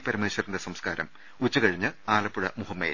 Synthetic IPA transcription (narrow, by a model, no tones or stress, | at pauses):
pɐɾimeːɕɐɾind̪ɐsɐmskaːɾɐ̰m | ut͡ɕːukɐɻiɲːɨaːlɐpːuɻɐmuhɐmːḛː